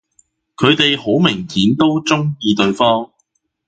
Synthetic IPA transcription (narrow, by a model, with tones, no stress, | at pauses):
kʰɵ˨˧ɥt̪e˨jho˨˥wmɪ˨˩ŋhiː˨˥nt̪o˥wt͡sʊ˥ŋjiː˧t̪ɵ˨ɥfɔː˥ŋ